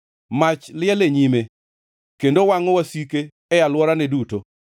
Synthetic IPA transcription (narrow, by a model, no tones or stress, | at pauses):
mat͡ʃlɪɛleɲime | kendowaŋɔwasikeː | jalwɔɾanɛduto